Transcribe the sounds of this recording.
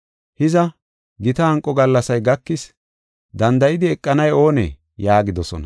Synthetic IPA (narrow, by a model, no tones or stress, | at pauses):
hɪzɐ | ɡɪt̪ɐhɐŋkʼːɔɡɐlːɐsɐjɡɐkːɪs | d̪ɐnd̪ɐjɪd̪ɪɛkʼːɐnɐjo̞ːnɛ̰ | jaːɡɪd̪ɔsɔ̰nɐ̰